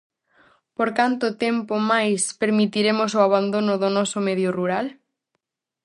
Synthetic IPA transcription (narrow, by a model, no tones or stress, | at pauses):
poɾkant̪ʊt̪ɛmpomajspeɾmit̪iɾemos̬ʊaβand̪onʊðʊnɔsomeðjʊruɾal